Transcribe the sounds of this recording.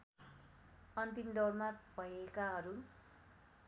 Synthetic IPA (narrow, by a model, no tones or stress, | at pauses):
ʌnt̪imɖʌwrmab̥ʱʌjekaɦʌɾu